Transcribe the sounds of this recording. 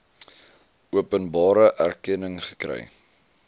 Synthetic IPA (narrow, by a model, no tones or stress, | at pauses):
uəpənbɑːɾəʔærkɛnəŋχə̥krɛ̰j